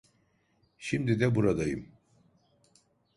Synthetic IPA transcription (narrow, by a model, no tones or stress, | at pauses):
ʃimd̪id̪ɛbuɾad̪ajɯ̰m